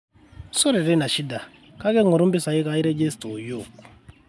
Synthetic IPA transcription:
sɔ˦ɾe˨ɾe˦na˨ʃi˦da˨ | ka˦kɛ˦ŋɔ˨ɾõ˦mbi˦sa˨i˦ka˦i˦ɾe˦d͡ʒe˦sto˨jo˦˨

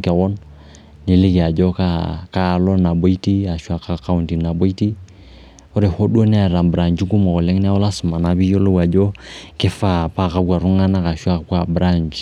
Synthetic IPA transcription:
kɛ˨ɣɔ˦n | ni˨lɪ˦ke˨a˨d͡ʒɔ˦ka˦ka˦˨lɔ˦na˨bo˦i˦ti˦a˨ʃu˦a˦˨ka˦ka˦u˨nti˨na˨bo˦i˦ti˦ | ɔ˦ɾe˨ho˦ɗu˦o˦ni˦a˨ɾa˨mbɾa˨nd͡ʒi˦ɡu˦mɔ˨kɔ˨lɛ˦ŋ˦ni˦a˦wɔ˦la˦su˨ma˨na˨bi˦jo˦lo˦wa˨d͡ʒɔ˦kɛ˦fa˦˨pa˦˨ka˦bwa˨ɾu˦ŋa˦na˦ka˨ʃa˦kwa˦˨bɾa˦˨ɲd͡ʒi˨

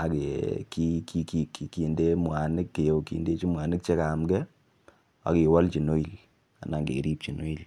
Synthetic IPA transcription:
a˨ke˨ki˦ki˧ki˨ki˨ki˨nde˦mwa˨nɪ˦kːe˨jo˨kḭ˨nde˦t͡ʃi˦mwa˨nɪ˦k̚t͡ʃe˦ka˨mɡɛ˦ | a̰˨ki˨wɔ˦lt͡ʃi˨no˦i˨l | a̰˨na˨ŋɡḛ˨ɾi˦p̚t͡ʃi˨no˦i˨l

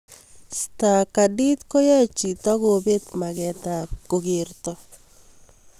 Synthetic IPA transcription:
sta˨ka˨di˦t̪ko˦jɛ˦t͡ʃi˨tɔ˦ɡo˨bet̪makɛtap̚ko˨ɡirtɔ

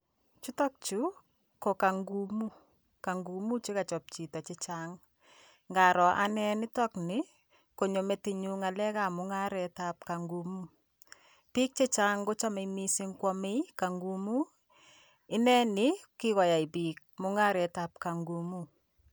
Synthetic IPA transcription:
t͡ʃu˦tɔ˦k̚t͡ʃu˦ | ko˨ka˨ŋɡu˦mu˦ | ka˨ŋɡu˨mu˦t͡ʃe˦ka˨t͡ʃɔ˨p̚t͡ʃi˨tɔ˨t͡ʃe˦t͡ʃaŋ | ŋɡa˨ɾɔ˨ʔa˦nɛ˦nɪ˦tɔ˦knɪ | ko˨ɲo˨me˨ti˨ɲu˦ŋa˨lɛ˦ka˦mʊ˦ŋa˦ɾɛ˨tap̚ka˨ŋɡu˨mu˦ | pi˦k̚t͡ʃe˦t͡ʃa˦ŋɡo˦t͡ʃa˦me˨imi˦sɪ˦ŋkwɔ˦me˦jka˨ŋɡu˨mu˦ | ɪ˦nɛ˦nɪ˦kɪ˦kɔ˨ja˨i˨bi˨k̚mʊ˦ŋa˦ɾɛ˨ta˨p̚ka˨ŋɡu˨mu

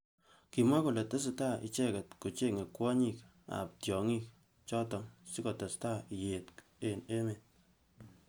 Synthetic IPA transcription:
ki˨ma˦ku˨le˨te˦s̬ɪta˦ḭ˨t͡ʃɛ˦kɛ˨tku˨t͡ʃe˦ŋe˨kwɔ˦ɲi˦k | a̰˨p̚tjɔ˨ŋi˦k̚ | t͡ʃɔ˦tɔ˨ŋsi˦kɔ˨tɔ˨sta˦ije˨tk | e˦ne˦me˨t̚

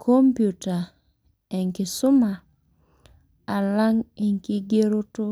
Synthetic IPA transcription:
kʰo˦mpju˨ta˨ | ɛ˨ŋki˨sʊ˦ma˨ | a˨la˦ŋe˨ŋki˦ɡe˦ɾo˦to˦

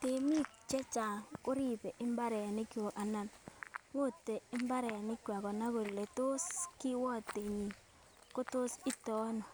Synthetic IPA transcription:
te˨mi˦t͡ʃɛ˦t͡ʃa˨ŋko˦ɾi˦pe˨ʔɪ˦mba˦ɾɛ˨ni˦kjwo˨a˨na˨nwo˦te˨ɪ˦mba˦ɾɛ˨a˨nɪ˦kwa˨kɔ˨na˦ko˨le˨to˦skɪ˦wɔ˦te˨ɲi˨ | ko˦to˦si˦tɔ˦no˨

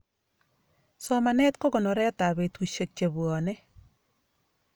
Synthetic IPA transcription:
sɔ˦ma˨nɛ˦t̪kɔ˦ɡɔ˨nɔ˨ɾɛ˦ɔ˦ta˨be˨twi˨ʃo˨t͡ʃːa˨bwɔ˨nɛ˦

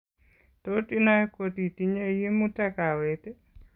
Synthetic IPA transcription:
toti˦na˦e˦ko˨t̪i˨ti˦ɲe˦ji˦mu˦ta˦ka˨wete˦

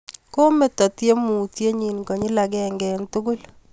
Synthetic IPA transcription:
ko˦me˨tɔ˨tje˦mu˨tje˦ɲi˨nkɔ˨ɲi˦la˨ɡɛ˦ŋɡɛ˨ntʊ˦kʊ˦l

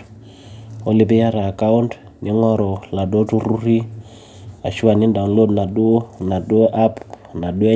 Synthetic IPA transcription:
o˦li˨bi˦ja˦ɾaː˨ka˦u˦nt | nʔi˦ŋɔ˦ɾɔ˨la˨do˦tu˦ɾu˦ɾi˦ | a̰˨ʃu˦a˨ni˦nda˨ŋlo˦dna˨du˦na˨do˦ʔa˦pna˨du˦e˦

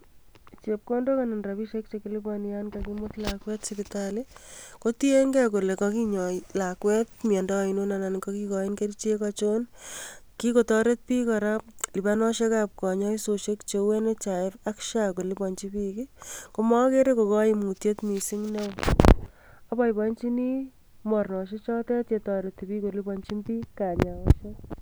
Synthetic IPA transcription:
t͡ʃep̚ko˦ndo˦kana˨nra˨pi˦ʃe˦k̚t͡ʃe˨kilibɔnijanka˨kimotlakwɛ˦tsipitaliko˦tie˦ŋɡɛ˦k̬o˨le˨kɔ˦ki˦ɲɔlakwɛ˦t̚mjɛ˨ndɔi˨no˦nana˨nkɔki˦kɔi˦nke˦ɾit͡ʃi˦e˦kat͡ʃo˦nki˦kotɔ˦ɾe˦t̚pi˦kaɾap̚li˨banɔ˦ʃe˦kap̚kɔ˨ɲɔ˦iso˨ʃe˦kt͡ʃe˧we˦ne˦t͡ʃa˨ɪ˦ɾakʃako˨li˦pɔ˨ɲt͡ʃi˦pi˦kiko˧mɔ˦ke˦ɾe˦ko˨kɔ˦jimu˨tje˦tmi˨si˦ŋne˦w | a˨bɔ˦ibɔnt͡ʃi˦ni˦ | mɔ˨ɾnɔ˨ʃe˦t͡ʃɔ˦tɛ˦te˨tɔɾeti˨pi˦ko˨li˦pɔ˧nt͡ʃi˦mpiː˦ka˨ɲa˨oʃe

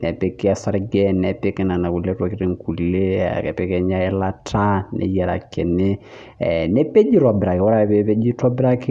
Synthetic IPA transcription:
nɛ˨pe˦kɪ˦a˦sa˦ɾɡɛ˦nɛ˨pe˦kɛ˦na˨na˨ku˨le˦ɾɔ˦kɪ˦ɾe˨ŋ̩˨ku˨lḛ˦˨kɛ˨pɛ˦kɛ˦ɲa˦ɛ˦la˦tʰa˦nɛ̰˨˦jɛ˨ɾa̰˨kɛ˨nɪ˦˨ | ne˦pe˦d͡ʒi˦ɾɔ˨bɪ˨ɾa˨kɪ˨wɔ˦ɾa˦˨βe˦pe˦d͡ʒi˦tɔ˦bɾa˦kɪ˦

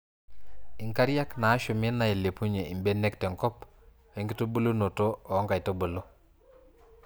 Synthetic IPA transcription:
i˨ŋka˦ɾja˦knaː˨˦ʃo˨mɪ˦na˨e˨le˨pu˦ɲe˨i˨mbe˦nɛ˦ktɛ˨ŋkɔ˦p | wɛ˨˦ŋɡi˦to˦bo˦lo˦no˨to˦˨˦ŋɡa˨i˨to˦bo˨lo˦

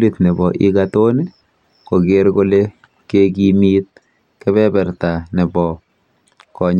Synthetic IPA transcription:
litnɛ˨bɔ˨ʔi˦kato˦ni˦ | ko˨ke˦ɾko˦le˦ | ke˦ki˦mit̚ | kɛ˦βɛ˦bɛ˨ɾta˨nɪ˨bɔ˨ | kɔ˨ɲ

